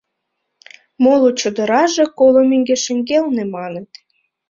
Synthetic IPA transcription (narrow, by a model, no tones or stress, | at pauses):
molot͡ɕə̆d̪əɾɑʒekolomeŋɡeʃə̆ŋɡelnemɑnət̪